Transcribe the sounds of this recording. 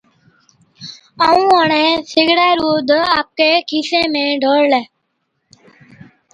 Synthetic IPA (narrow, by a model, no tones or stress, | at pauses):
əːũːəɳẽːsɪɡɽaːɾoːd̪ʱaːp̚keːkʰiːsẽːmẽːɖʱəːɽlɛː